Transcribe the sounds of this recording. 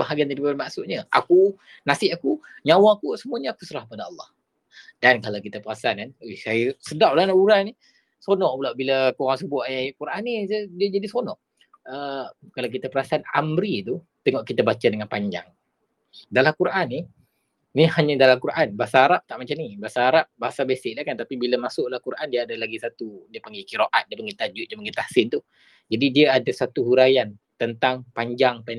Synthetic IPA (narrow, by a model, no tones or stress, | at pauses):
baɦaɡiant̪ədiamaʔsut̪̚ɲəa̰ku | nasɪʔaku | ɲawaːkusəmuaɲəakusəɾahk̚əpadaɑlːɑh | dankalawkit̪apəɾasaankanesajəsədaʔlanaʔuɾani | sonɔʔbəlaʔbiləkuɾaŋsəbʊt̪̚ʔkuɾʔanːisd͡ʒadisonɔʔ | əkalawk̬it̪apəɾasaana̰mɾit̪u | t̪əŋɔʔkit̪abat͡ʃadəŋanpaɲd͡ʒa̰ŋ | dalahkuɾʔanːi | nihaɲãdalamkuɾʔanbaasaɦaɾap̚t̪aʔmat͡ʃamnibasaɦaɾap̚baɦasabesɪk̚lahkant̪apibiləmasʊʔlahkuɾʔandiəadalaɡisat̪udiəpəŋɡikiɾoʔat̪̚diəpəŋɡit̪ad͡ʒut̪̚diəpəŋɡit̪asɪnt̪u | d͡ʒadidiəadasat̪uhuɾajan | t̪ənt̪aŋpaɲd͡ʒaŋpan